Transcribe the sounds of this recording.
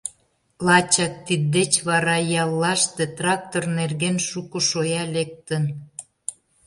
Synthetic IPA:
lɑt͡ɕɑk̚t̪id̪ːet͡ɕβɑɾɑjɑlːɑʃt̪et̪rɑk̚t̪ornerɣenʃukŏʃojɑlek̚t̪ə̆n

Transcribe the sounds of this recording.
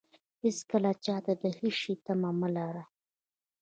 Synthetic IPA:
hɪskəlat͡ʃɑt̪ad̪əhiʃit̪amaməlaɾa

